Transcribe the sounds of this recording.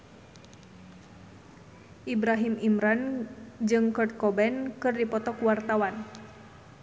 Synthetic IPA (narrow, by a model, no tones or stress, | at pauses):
ʔibɾaɦimimɾand͡ʒɨŋkɔrt̪̚kɔbɛnkɨrdipɔt̪ɔkuwart̪awan